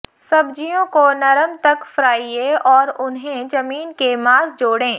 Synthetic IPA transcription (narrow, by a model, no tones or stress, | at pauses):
sɐbd͡ʒijõkonɐɾəmt̪ɐkfɾaːieɔːɾʊnɦẽd͡ʒɐmiːnkemaːzd͡ʒoːɽẽː